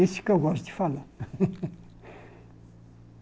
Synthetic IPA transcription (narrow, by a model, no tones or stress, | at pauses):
esi̥kʲaɡazd̪i̥falə